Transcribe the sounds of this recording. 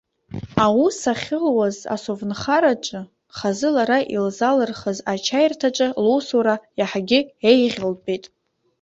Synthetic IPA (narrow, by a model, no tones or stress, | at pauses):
awisaχʲɪlwaza̰sovnχaɾat͡ʃʼɨ | χazɨlaɾaʔilzalɨrχəzat͡ʃʰajrtʰaʈ͡ʂʼɨlowsuɾajaħɡʲɪejʁʲɪlbetʼ